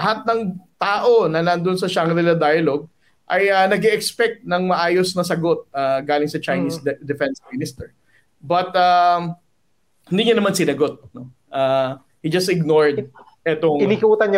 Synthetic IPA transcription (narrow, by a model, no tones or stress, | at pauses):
ɐɦat̪̚nɐŋt̪aːʔo̞nɐnɐnd̪onsɐʃaŋɾɛlɐd̪ajɐloɡ̚ | ʔɐjɐnɐɡɛʔɛkspɛk̚t̪̚nɐŋmɐʔaːjo̞snɐs̬ɐɡo̞t̪̚aɡaːlɪŋsɐt͡ʃɐjnisd̪ɛfɛnsmɪnɪst̪ɛɹ | bɐt̪a | hɪnd̪iːɲɐnɐmansɪnɐɡo̞t̪̚no̞ | ʔa | hid͡ʒɐst̪ɪɡ̚noɹd̪ | ʔɛt̪oŋɪnikuːt̪ɐnɲɐ